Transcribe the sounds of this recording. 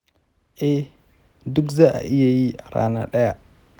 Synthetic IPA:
ʔe˦ | du˦kza˦a̰˨ʔi˦ja˨ji˦a˨ɾa̰˨na̰˨ɗa˦ja˨

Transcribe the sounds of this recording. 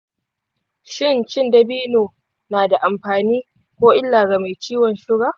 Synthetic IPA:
ʃɪ˦nt͡ʃɪ˦ndɐ˨biː˦noː˨ | naː˨da˨ʔa˨mɸaː˨niː˦ | kʷoː˦ʔɪ˦lːaː˨ɡa˨ma˨jt͡ʃiː˦wɔ˨nʃɪ˦ɡaː˨

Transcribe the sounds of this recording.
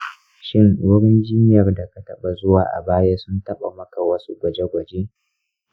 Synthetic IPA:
ʃɪ˦ŋwʊ˦ɽɪ˦nd͡ʒɪ˦n˦jɐ˨rda˨ka˦tɐ˦ɓa˨zʊ˦waː˨ʔa̰˨baː˦ja˦sʊ˦ntɐ˦ɓa̰˨mɐ˦ka˨wɐ˦su˦ɡʷɐ˨d͡ʒe˦ɡʷɐ˨d͡ʒeː˦

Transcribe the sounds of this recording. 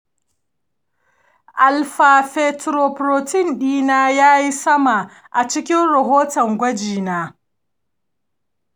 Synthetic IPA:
ʔa˨lɸa˨ɸɛ˦˨tɾoː˨pɾoː˨tɪ˦nɗiː˦naː˦jaː˦ji˦sɐ˦ma˨ | ʔa˨t͡ʃɪ˦kʲɪ˦nɽɐ˨ɦoː˦tɔ˨ŋɡʷɐ˦d͡ʒiː˨naː˦

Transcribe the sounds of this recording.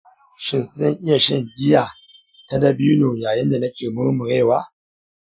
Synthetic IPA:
ʃi˨za˦ŋʔɪ˦ja˨ʃɪ˦ŋɡʲi˦ja˨ | ta˦da˦bi˦u˦no˨ja˨jɪ˦nda˨na˦kʲe˨mɨ˦mɨ˨ɾe˦˨wa˦

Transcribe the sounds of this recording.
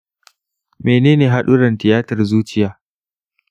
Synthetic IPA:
meː˨neː˦neː˨ɦa˦ɗu˦ɽɐ˨ntɪ˨jaː˦tɐ˨rzuː˦t͡ʃɪ˦jaː˨˦

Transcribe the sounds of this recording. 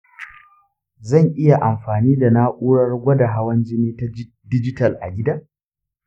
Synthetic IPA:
zɐ˦˨ŋʔɪ˦ja˨ʔa˨mɸaː˨niː˦da˨na˦ʔʷuː˦ɽɐ˦rɡʷɐ˦da˨ɦa˦wɐ˦nd͡ʒɪ˦neː˦ta˦ | dɪ˦d͡ʒɪ˦tɐ˨lʔa̰˨ɡʲɪ˦daː˦

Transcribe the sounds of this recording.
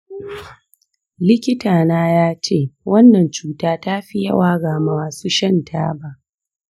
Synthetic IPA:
lɪ˦kʲɪ˦taː˨naː˦jaː˦t͡ʃeː˦˨wɐ˦nːɐ˨nt͡ʃuː˦taː˦taː˦ɸi˦jɐ̰˦waː˦ɡaː˨ma˨waː˨su˦ʃɐ˦ntʰa̰ː˦ba˦ʔ

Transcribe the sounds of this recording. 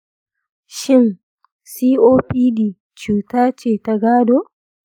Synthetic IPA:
ʃɪ˦n | siː˦ʔoː˦ɸiː˦diː˨ | t͡ʃuː˨taː˦t͡ʃeː˦˨ta˨ɡaː˦doː˦

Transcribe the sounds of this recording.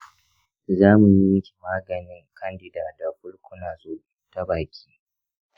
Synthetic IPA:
zaː˦mu˨ji˦jɪ˦kʲi̥˨maː˦ɡɐ˨nɪ˦ŋkʰɐ˦ndɪ˨daː˨da˨ɸʊ˦lkʷʊ˦naː˨zoː˦ | ta˦baː˨kʲi̥ː˦

